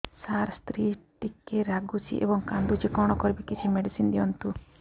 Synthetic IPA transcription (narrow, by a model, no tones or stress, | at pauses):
saɾst̪ɾiʈikːɛɾaɡusḭʔḛbɔŋkand̪ud͡ʒɛkɔɽ̃ɔkɔɾbikit͡ʃʰimeɖisind̪ijɔnt̪u